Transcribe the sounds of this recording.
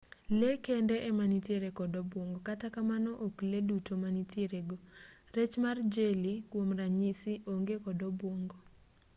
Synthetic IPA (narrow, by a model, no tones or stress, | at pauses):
lekendeʔemanitjeɾekɔdɔbwoŋɡokatakamanɔʔokledutomaniteɾeɡo | ret͡ʃmard͡ʒelikwomraɲisiʔoŋɡekɔdɔboŋɡo